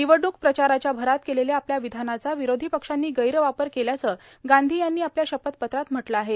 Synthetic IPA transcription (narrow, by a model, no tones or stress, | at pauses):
d̪iʋəɖuk̚pɾət͡ɕaɾat͡ɕjabʱəɾat̪̚keleljeapljaʋid̪ʱanat͡saʋiɾod̪ʱiːpəkʂanːiːɡəjɾʋapəɾkeljat͡səː | ɡand̪ʱiːjanːiːapljaɕəpət̪pət̪ɾat̪m̤əʈlaaɦe